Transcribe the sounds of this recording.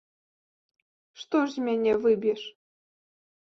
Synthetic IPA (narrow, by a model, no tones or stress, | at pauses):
ʂt̪ɔʐzʲmʲænʲɛvɨbʲiʂ